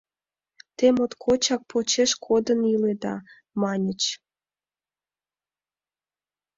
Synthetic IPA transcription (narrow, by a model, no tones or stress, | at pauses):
t̪emot̪kʰot͡ɕɑk̚pot͡ɕeʃkʰod̪əniled̪ɑ̰ | mɑnʲət͡ɕ